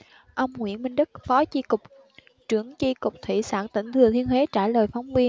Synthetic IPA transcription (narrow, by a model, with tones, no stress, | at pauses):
ʔə˧wŋ͡mŋwḭ˧˩˨ənmï˧ŋ̟ɗɨ˦˥k̚fɔ˨˦t͡ɕi˧kʊ˨˩k͡p̚ | t͡ɕɨ˧˩əŋt͡ɕi˧kʊ˨˩k͡p̚t̪ʰḭ˧˨sa̰ː˧˩nt̪ï˧˩ŋ̟t̪ʰɨ˨˩ət̪ʰi˧ənhwe˨˦t͡ɕaː˧˩ləː˨˩jfɔ˨˦wŋ͡mvi˧ən